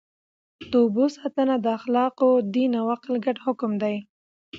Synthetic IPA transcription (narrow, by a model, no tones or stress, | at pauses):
t̪obosɑt̪ənad̪əaxlɑqod̪inawaqlɡaɖhʊkʊmd̪aj